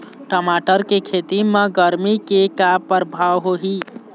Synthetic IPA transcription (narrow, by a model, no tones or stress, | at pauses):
ʈəmaʈəɾkekʰet̪imeɡəɾmikekapəɾbʱawɦoɦi